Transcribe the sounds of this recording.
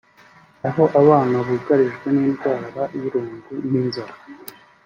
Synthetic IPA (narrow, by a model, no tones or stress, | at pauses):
aɦo̞ʔaβaːnaβuɡaɾiʒɡwe̞niːnɡwaːɾaiɾuːŋɡuniːnzaɾa